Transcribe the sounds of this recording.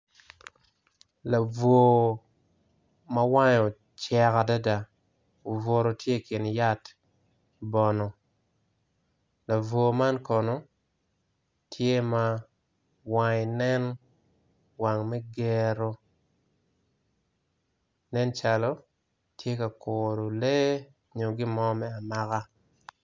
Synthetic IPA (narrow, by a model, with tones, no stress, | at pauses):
la˨vo˨ | ma˦wa˦jo˨ | t͡ʃɛ˨ka˨da˦da˨ | o˨vo˨ɾo˨tʰje˦˨kɪ˨nja˦t | bɔ˨nɔ˨ | la˨vo˨ma˦nkɔ˨nɔ˨ | tʰje˦ma˦ | wa˦ɲ˨nɛ˦n | wa˨ŋmɛ˦ɡe˨ɾo˦ | nɛ˦nt͡ʃa˦lɔ˦ | tʰje˦ka˨ko˨ɾo˨le˦ | ɲo˨ɡɪ˦mɔ˦mɛ˦a˨ma˦ka˦